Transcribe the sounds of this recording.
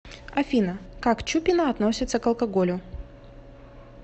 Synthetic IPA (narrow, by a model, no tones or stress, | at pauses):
ɐfʲinəkakt͡ɕupʲɪnəɐt̪no̞sʲɪt̪səkɐlˠkɐɡolʲʊ